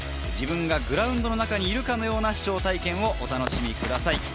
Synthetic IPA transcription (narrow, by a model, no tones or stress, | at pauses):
d͡ʑibɯ̟̃ŋɡaɡɯ̟ɾaɯ̟̃nd̪o̞no̞nakaɲ̟iːɾɯ̟kano̞jo̞ːnaɕi̥t͡ɕo̞ːt̪aikẽ̞ɰ̃o̞ʔot̪anoɕimʲikɯ̟d̪asai